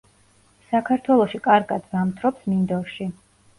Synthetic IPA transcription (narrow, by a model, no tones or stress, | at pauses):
sakʰaɾt̪ʰwɛlˠɔʃikʼaɾɡad̪vamt̪ʰɾɔpsmind̪ɔɾʃi